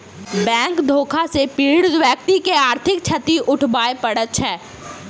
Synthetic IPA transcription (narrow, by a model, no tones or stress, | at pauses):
bɛ̃ːŋkd̪ʱoːkʰasepiːɽʋjək̚t̪ikeaːɾt̪ʰɪk̚t͡ʃʰət̪iʔʊʈʰbaːepɐɽət̪ʃʰɛː